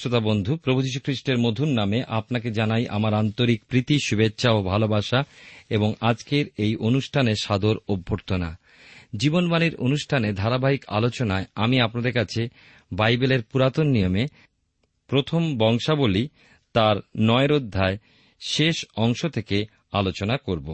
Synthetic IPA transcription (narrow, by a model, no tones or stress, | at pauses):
ot̪abond̪ʱupɾobʱud͡ʑiʃ̬ukʰɾiʃʈeɾmod̪ʱunːameʔapnaked͡ʑanajʔa̰maɾant̪oɾikpɾit̪iʃubetːɕʰaobʱalobaʃaeboŋad͡ʑkeɾejʔonuʃʈʰaneʃad̪oɾobʱːoɾt̪ona̰ | d͡ʑibonbaniɾonuʃʈʰaned̪ʱaɾabaɦika̰lot͡ɕonaeamiapnad̪eɾkat͡ɕʰe | bajbeleɾpuɾat̪onːijome | pɾot̪ʰombɔŋʃaboli | t̪aɾnɔeɾod̪ʱːae | ʃeʃɔŋʃot̪ʰeke | alot͡ɕonakoɾbo